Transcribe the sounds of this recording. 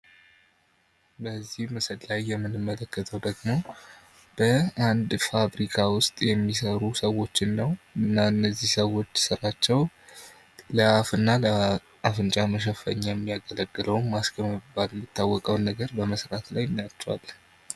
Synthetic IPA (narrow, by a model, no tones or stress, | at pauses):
bəzːihmɨsəd̪lajːɛmːɨnɨmːələkːət̪ʰəwd̪əɡmo̞ | b̥əand̪faβɾikʰawʊst̪ʼjɛmːisəɾusəwo̞t͡ʃːɪnːəwɨnːaɨnːəzːihsəwo̞t͡ʃːsɨɾat͡ʃːɛw | ləafɨnːalə | afɨnt͡ʃʼaməʃ̬əfə̰ɲːajɛmːijaɡələɡːɨləwnmaskʰəmɨbalɛmːit̪ʰːawːɔkʼəwnəɡəɾbəməsɾat̪lajnːjat͡ʃːwa̰l